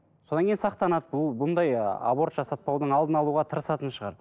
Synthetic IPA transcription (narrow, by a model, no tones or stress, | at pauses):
so̞d̪ɑnŋkʲejnsɑqt̪ɑnɑt̪̚bʊlˠbʊnd̪ɑja̰bo̞ɾt̪ʒɑsɑt̪̚pɑwd̪əɴɑlˠd̪ənɑlˠuʁɑt̪ʰəɾəsɑt̪ənʃəʁɑ̰ɾ